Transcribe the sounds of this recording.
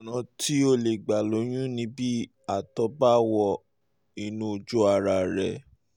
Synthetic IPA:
nã˧ti˦o˧le˨ɡ͡ba˨lo˨˦j̃ũ˦nĩ˧˦bi˦ | a˨tɔ˨˧˦ba˦wɔ˧ | i˧˨nũ˦˧d͡ʒo˦a˧ɾa˧˨ɾɛ˨

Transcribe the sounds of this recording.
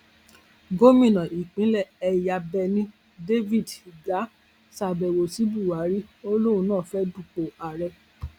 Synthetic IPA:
ɡo˦mĩ˦˨nã˨ʔi˨k͡pĩ˨˦lɛ˦˨ɛ˧ja˧bɛ˧nĩ˦ | de˦vi˦˨di˨ɡa˨˦ | sa˨bɛ˨wo˨si˨˦bu˦˨wa˨˦ɾi˦o˦lo˦ũ˧˦nãː˦˨fɛ˦du˦˨k͡po˨a˨ɾɛ˧

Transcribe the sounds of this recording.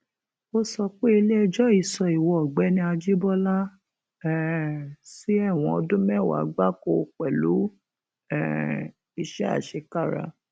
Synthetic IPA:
o˦sɔ˧k͡pe˦i˧le˦ɛ˧d͡ʒɔ˦i˦˨sɔ˧i˨wɔ˨ɡ͡bɛ˨˦nĩ˧a˧d͡ʒi˦bɔ˦la˦ | ɛ˦˨si˦ɛ˦˨w̃ɔ̃˧ɔ˧dũ˦mɛ̃˦˨wa̰˨˦ɡ͡ba˦ko˧k͡pɛ˨lu˨˦ | ɛ˦˨ | i˧ʃɛ˦a̰˦˨ʃe˧ka˦˨ɾa̰˧

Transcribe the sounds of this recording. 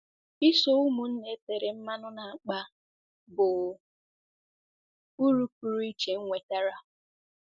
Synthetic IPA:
i˦so˦u˦mu˨n̩˦ne˦te˨ɾe˨m̩˦ma˦nʊ˦na˨a˨k͡pa˦ | bʊ˨ | u˦ɾu˦ku˨ɾu˦i˦t͡ʃe˨ŋ̩˦ŋʷe˨ta˦ɾa˦

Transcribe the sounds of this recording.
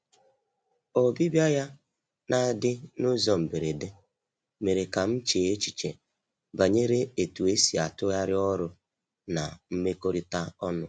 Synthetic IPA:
o˨bi˦bja˦ja˦ | na˦dɪ˦nʊ˦zɔ˨m̩˨be˨ɾe˨de˦ | me˨ɾe˨ka˨m̩˦t͡ʃeː˨e˦t͡ʃi̥˨t͡ʃḛ˨ | ba˨ɲe˦ɾe˦e˨tu˨e˦si˨a˨tʊ˦ɣa˦ɾɪ˦ɔ˦ɾʊ˦ | na˨m̩˦me˦ko˦ɾi˦ta˦ɔ˦nʊ˨

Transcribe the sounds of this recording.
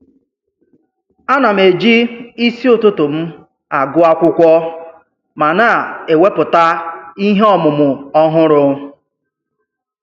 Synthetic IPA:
a˦na˨m̩˨e˨d͡ʒi˦i˦si˦ʊ˨tʊ˦tʊ˨m̩˦ | a˨ɡʊ˦a˦kʷʊ˦kʷɔ˦ | ma˨na˨e˨we˦pʊ˨ta˦i˦ɦe˦ɔ˨mʊ˨mʊ˨ɔ˦ɦʊ˦ɾʊ˦

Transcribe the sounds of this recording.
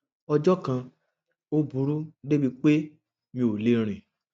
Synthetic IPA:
ɔ˧d͡ʒɔ˦kã˧ | o˦bu˨˦ɾu˦de˦bi˧k͡pe˦ | mĩ˧o˨le˧˦ɾ̃ĩ˨

